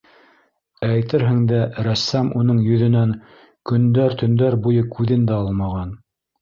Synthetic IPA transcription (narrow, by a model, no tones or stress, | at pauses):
æjt̪ɘɾɦɘ̆ŋd̪æɾæsːæmunɤɴjɵ̆ðɵ̆næŋ | kɵ̆nd̪æɾt̪ɵ̆nd̪æɾbujɤkʰʉðɘnd̪æɑlˠmɑʁɑn